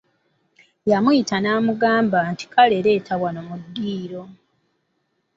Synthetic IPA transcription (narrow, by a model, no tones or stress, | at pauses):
jamujitanaːmuɡaːmbanti̥kale̞ɾe̞ːtʰaβwanomudːiːɾo̞